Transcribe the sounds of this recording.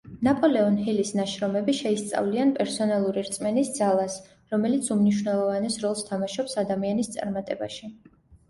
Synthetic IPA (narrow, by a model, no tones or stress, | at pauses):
napʼɔlɛɔnɦilisnaʃɾɔmɛbiʃɛist̪sʼa̰vlianpʼɛɾsɔnalˠuɾiɾt̪sʼmɛnisd̪zalˠas | ɾɔmɛlit̪sʰumniʃ̬wnɛlˠɔvanɛsɾɔlˠst̪ʰamaʃɔpsad̪amianist̪sʼa̰ɾmat̪ʼɛbaʃi